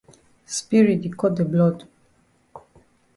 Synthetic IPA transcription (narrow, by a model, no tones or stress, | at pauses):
spiɹit̪ikɔt̚d̪əblɔd